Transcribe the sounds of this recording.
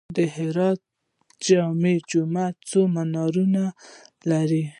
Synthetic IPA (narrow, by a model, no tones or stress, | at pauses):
d̪əɦɪɾɑt̪̚ | d͡ʒɑmed͡ʒumat͡somanɑɾunalaɾi